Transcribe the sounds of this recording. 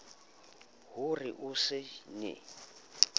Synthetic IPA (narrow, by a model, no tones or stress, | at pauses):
ɦʊrɪʔusɪnɪ̰